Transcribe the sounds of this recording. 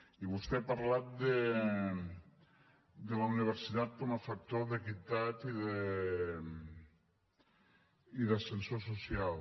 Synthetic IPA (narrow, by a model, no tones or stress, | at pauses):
iβust̪epaɾlat̪̚d̪e | d̪elauniβ̞eɾsit̪at̪̚komafak̚t̪oɾðekit̪at̪iðe | iðasensososjal